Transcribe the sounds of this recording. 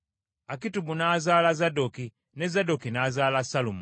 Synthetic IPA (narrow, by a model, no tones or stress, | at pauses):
akitubunazaːlazadoki | nezadokinazaːlasalum